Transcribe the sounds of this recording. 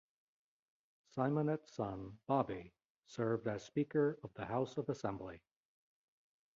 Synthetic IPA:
saɪmə̃nɨtsʌ̃nb̥ɑbi | sɜ˞vdɨz̥spikə˞ʌvðɨhaʊsʌvəsɛ̃mbli

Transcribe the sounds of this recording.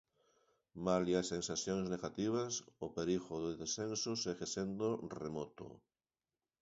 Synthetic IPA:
maliasensaθjoŋzneɣat̪iβ̞asʊpeɾiɣoðoðesθensʊseɣesend̪oremɔt̪ʊ̰

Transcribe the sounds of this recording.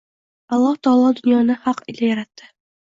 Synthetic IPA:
ɑlˠːɑht̪ɒɑlˠɑd̪ɵ̆njɑnɤhɑqḭlæjɑɾɑt̪ːɤ

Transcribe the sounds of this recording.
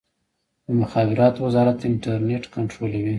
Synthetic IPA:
d̪əmʊxɑbɪɾɑt̪owazɑɾat̪ɪɳʈaɾneʈkaɳʈɾolawi

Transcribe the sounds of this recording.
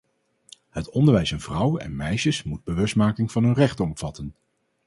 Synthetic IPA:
hətɔndəɹʋɛjsɑnv̥rʌwɛ̰nmɛjʃəsmud̚bəʋɵstmaːkɪŋvɑnɦɵnrɛχtɔmv̥ɑtən

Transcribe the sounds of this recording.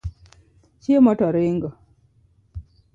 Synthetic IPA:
t͡ʃiemɔtɔɾeŋɡɔ

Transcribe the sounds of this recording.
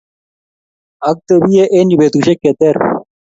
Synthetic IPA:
ɐk̚t̪əbijeʔenibet̪uɕekːet̪eɾ

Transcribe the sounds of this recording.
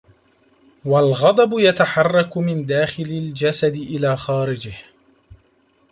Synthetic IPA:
walɣɑd̪ˤɑbʊjat̪aħɑrˤːɑkʊmɪnd̪aːxɪlɪld͡ʒasad̪ɪʔɪlaːxaːɾɪd͡ʒɪh

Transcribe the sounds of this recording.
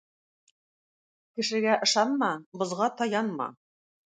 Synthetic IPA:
kɘ̆ʃɘ̆ɡæʔɤ̆ʃɑnmɑbŏzʁɑt̪ɑjɑnmɑ̰

